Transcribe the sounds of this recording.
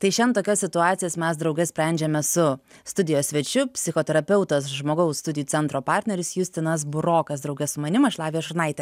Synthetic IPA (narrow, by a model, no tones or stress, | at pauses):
t̪ɐɪʃʲɛnt̪oːkʲɛsʲsʲɪt̪ʊɑːt̪sʲɪjɛːsmʲɛs̬d̪ɾɐʊɡʲɛsʲpʲɾʲæˑnʲd͡ʒʲɛmʲɛsʊ | st̪ʊd̪ʲɪjoːssʲʋʲɛt͡ʃʲʊpʲsʲɪxoːt̪ʲɛɾɐpʲɛʊt̪ɐsʒmoːɡɐʊsst̪ʊd̪ʲɪjuːtt͡s̪ʲɛnt̪ɾoːpɑːɾʲt̪ʲnʲɛɾʲɪsjʊsʲt̪ʲɪnɐsbʊɾoːkɐsd̪ɾɐʊɡʲɛsʊmɐnʲɪmɐʃlˠɑːʋʲiːʃʊɾnɐɪt̪ʲɛ